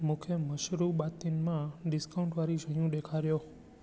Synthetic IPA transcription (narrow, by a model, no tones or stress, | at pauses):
mʊkʰjəməʃɾubat̪inmãɖiskaũɳʈʋaɾid͡ʒʱəjũd̪ekʰaɾjo